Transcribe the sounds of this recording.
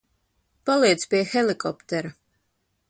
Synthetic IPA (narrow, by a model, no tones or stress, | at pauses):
palˠiɛt̪spiɛxɛlikɔpt̪ɛɾa